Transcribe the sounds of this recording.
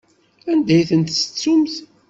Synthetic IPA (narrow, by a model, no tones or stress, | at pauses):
ænd̪æjθənt̪sə̥t͡sːumθ